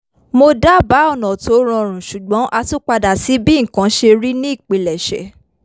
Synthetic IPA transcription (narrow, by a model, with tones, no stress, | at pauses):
mo˧da˦ba˨˦ɔ˦˨nɔ̃˨to˨˦ɾ̃ɔ̃˧˨ɾ̃ũ˨ʃu˨ɡ͡bɔ̃˨˦ʔa˧tu˦k͡pa˧da˨si˨˦bĩ˦ŋ̩˨kã˨˦ʃe˧ɾi˦nĩ˦i˦˨k͡pe˨lɛ˨ʃɛ̰˨